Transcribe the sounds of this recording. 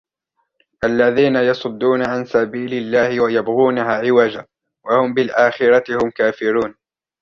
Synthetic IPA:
ʔalːaðiːnajɑsˤʊd̪ːuːnaʕansabiːlɪlːaːhɪwajabɣuːnaɦaːʕɪwad͡ʒa | wahʊmbɪlʔaːxɪɾˤɑt̪ɪhʊmkaːfɪɾuːn

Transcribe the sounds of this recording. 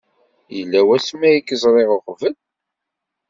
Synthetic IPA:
jəlːæwæsmæjikːəzˤɾˤeʁoχvəl

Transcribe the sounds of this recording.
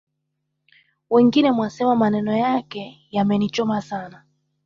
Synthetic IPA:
wɛŋɡinɛmwasɛmamanɛnɔjakɛ | jamɛnit͡ʃɔmasana

